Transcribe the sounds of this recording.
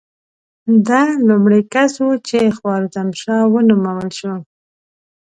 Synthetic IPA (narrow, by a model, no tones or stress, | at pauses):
d̪ɑlumɽekasut͡ʃexwɑɾot̪amʃɑwənumawəlʃu